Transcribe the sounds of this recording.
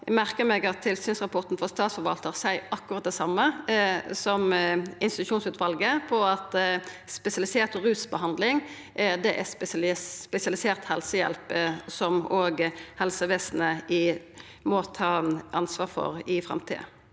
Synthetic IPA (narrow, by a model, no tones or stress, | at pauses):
mæʁkəmɛɡɑt̪ʰːɪlsyːnsʁɑpʰɔʁt̪n̩fɔʁst̪ɑːt̪sfɔɾʋɑ̰lt̪əʁsæɪʔɑkːʊʁɑt̪̚d̪ɛsɑmːə | sɔmɪnst̪ɪt̪ʉʃuːnsʉːt̪ʰʋɑlɡəpʰɔɑt̪spɛsɪɑlɪseːt̪ʁʉːsbəhɑnd̪lɪŋ | d̪ɛʔæsp̪ːpɛsɪɑlɪseːʁt̪hɛlsəjɛ̰lpsɔmoːɡhɛlsəʋeːsn̩əɪ | mɔt̪ʰɑːʔɑnsʋɑːʁfɔ̰ʁɪfʁɑ̰mt̪ʰḭːə̰